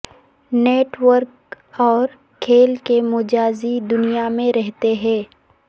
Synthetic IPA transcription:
neːʈwəɾk | ɔːɾ | kʰeːlkemʊd͡ʒaːzid̪ʊnijamẽɾɛɦt̪eɦɛ̃ː

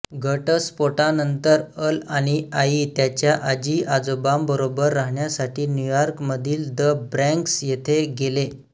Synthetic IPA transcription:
ɡʱəʈəspoʈanənt̪əɾəlaɽ̃iait̪jat͡ɕjaʔad͡ʑiːʔad͡zobambəɾobəɾːaɦɳjasaʈiːnjujɔɾkməd̪ʱiːld̪əbɾɛ̃ŋksjet̪ʰeɡele

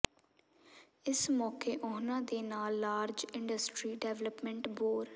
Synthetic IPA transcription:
ɪsmɔːkeːʔʊːnãːd̪eːnaːlːaːɾd͡ʒɪɳɖəsʈɾiːɖɛːʋləpmɛ̃ɳʈboːɾ

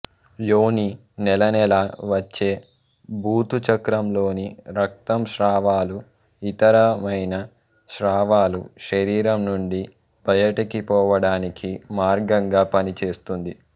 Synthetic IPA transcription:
jo̞ːni | nɛlɐnɛlaʋɐt͡ʃːe̞ː | bʱuːt̪ut͡ʃɐkɾɐmlo̞ːniɾɐk̚t̪ɐmʃɾaːʋaːlu | it̪ɐɾɐmɐjnɐ | ʃɾaːʋaːluʃɐɾiːɾɐmnuɳɖi | b̥ʱɐjɐʈɐkipɔːʋɐɽaːnikʰimaːɾɡɐŋɡaːpɐnit͡ʃe̞ːst̪und̪i

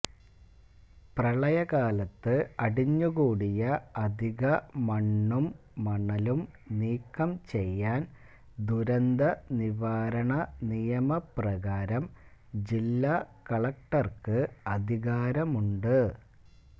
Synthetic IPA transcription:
prɐɭɐjɐɣaːlɐt̪ːɨɐɽiɲːuɣuːɽijɐɐd̪ʱiɣɐmɐɳːumː | ɐɳːɐlum | niːkːɐmt͡ɕe̞jːaːn | d̪uɾɐnd̪ɐniʋaːɾɐɳɐnijɐmɐprɐɣaːɾɐmd͡ʑilːakɐɭɐk̚ʈɐrkɨɐd̪ʱiɣaːɾɐmuɳɖɨ

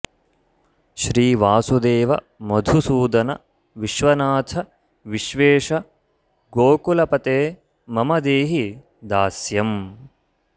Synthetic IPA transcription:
ʃɾiːʋaːsud̪eːʋɐ | mɐd̪ʱusuːd̪ɐnɐ̰ | ʋiʃʋɐnaːt̪ʰɐ | ʋiʃʋeːʃɐ | ɡoːkulɐpɐt̪eː | mɐmɐd̪eːɦi | d̪aːsjɐm

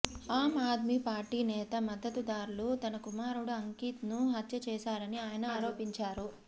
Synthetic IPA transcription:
aːmaːd̪mipaːɾʈiːnɛːt̪ɐmɐd̪ʱːɐt̪ud̪aːɾulut̪ɐnɐkumaːɾuɽuɐŋkiːt̪nuɦɐt̪jɐt͡ʃɛːsaːɾɐniaːjɐnɐaːɾo̞ːpiɲt͡ʃaːɾu

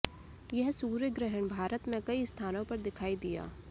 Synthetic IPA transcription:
jɐɦsuːɾjəɡɾɛɦəɳ̃bʱaːɾət̪mẽkɐist̪ʰaːnõpɐɾd̪ɪkʰaːid̪ɪja̰ː

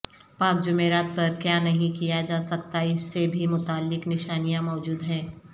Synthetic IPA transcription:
pãːkd͡ʒʊmeːɾaːt̪̚pɐɾkjaːnɐɦĩkijad͡ʒaːsɐkt̪aɪsːebʱimʊt̪aːlːɪknɪʃaːnijãmɔːd͡ʒuːd̪ɦɛ̃ː

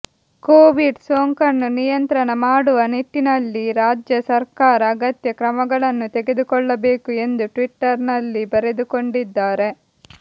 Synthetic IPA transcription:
koːʋiɖsoːŋkɐnːunijɐnt̪ɾɐnɐmaːɽuʋɐnit̪ːinɐlːiɾaːd͡ʒjɐsɐɾkaːɾɐːɡɐt̪jɐkɾɐmɐɡɐɭɐnːut̪eɡe̞d̪ukɔɭːɐbe̞ːkue̞nd̪uʈʋiʈːɐɾnɐlːibɐɾe̞d̪uko̞ɳɖid̪ːaːɾe̞

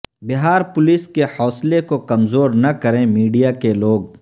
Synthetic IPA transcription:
bɪɦaːɾpʊlɪskehɔːslekokɐmzoːɾnɐkɐɾẽmiːɖijakeloːɡ̚

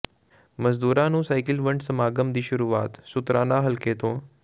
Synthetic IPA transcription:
məzd̪uːɾãːnũːsaːɪkɪlʋə̃ɳɖsɐmaːɡəmd̪iːʃʊɾuːʋaːt̪sʊt̪ɾãːnaːɦɐlket̪õː

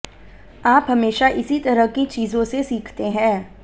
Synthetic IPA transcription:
aːpɦɐmeːʃaʔɪsit̪ɐɾəɦkit͡ʃiːzõsesiːkʰt̪eɦɛ̃ː

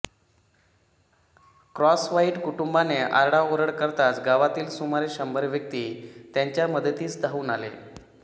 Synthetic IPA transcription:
kɾɔsʋaiːʈkuʈumbaneʔaɾɽaoɾəɽkəɾt̪at͡sɡaʋat̪iːlsumaɾeɕəmbʱəɾʋjək̚t̪iːt̪jaɲt͡ɕjaməd̪ət̪iːt͡sd̪ʱauːnalḛ

